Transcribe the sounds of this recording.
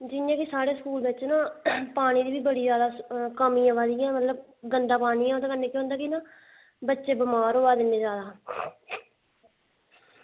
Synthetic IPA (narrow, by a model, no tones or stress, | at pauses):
d͡ʒɪjãːkɪsaːɽeːsəkuːlbɪːt͡ʃnãːpaːɽ̃iːd̪iːʋiːbəɽiːzjaːd̪aːkəmĩːãːʋaːd̪iːɛ̃ːmət̪ləb | ɡənd̪aːpaːɽ̃iːɛ̃ːoːd̪aːkənːeːkjõɦʊ̃ːnd̪aːkinãː | bətːʃeːbəmaːɾɦoːaːd̪ɪnːeːd͡ʒaːd̪aː